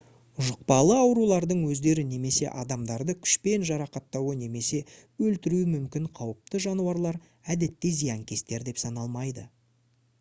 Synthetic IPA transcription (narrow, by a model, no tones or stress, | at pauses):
ʒʊq̚pɑlˠəɑwɾulˠɑɾd̪əɴwɵzd̪e̞ɾɪne̞me̞se̞̰ʔɑd̪ɑmd̪ɑɾd̪əkʲʰʏ̥ʃpe̞nʒɑɾɑqɑt̪ːɑwəne̞me̞se̞ | ɵlt̪ɪɾuɪmʏmkʲɪɴqʰɑwəp̚t̪əʒɑnuwɑɾlˠɑɾ | æd̪e̞t̪ːɪzijɑŋkʲʰe̞st̪e̞ɾd̪e̞psɑnɑlˠmɑjd̪ə